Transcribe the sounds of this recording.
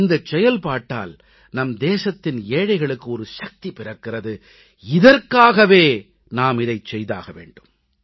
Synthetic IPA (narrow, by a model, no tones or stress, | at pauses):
nd̪ɐt͡ʃːɛjɐlpaːʈːa̰ːl | nɐmd̪eːsɐt̪ːɪneːɻɐɪɣɐɭɯkːɯɔɾɯʃɐk̚t̪ipɪrɐkːɪrɐðɯ | ɪðɐrkaːɣɐʋeː | naːmɪðɐɪt͡ʃɛjða̰ːɣɐʋḛːɳɖɯm